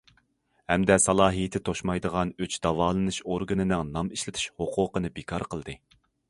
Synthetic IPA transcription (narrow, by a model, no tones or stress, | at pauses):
hɛmd̪ɛsɑlˠɑːɦijɪt̪ʰɪt̪ʰoʃmɑjd̪əʁɑnøt͡ʃd̪̥ɑvɑːlˠɨnɨʃoɾɡɨnɨnɨŋnɑmiʃlɪt̪ʰɪ̥ʃhoqʰʊːqənɨbekʰɑɾqʰəlˠd̪ɨ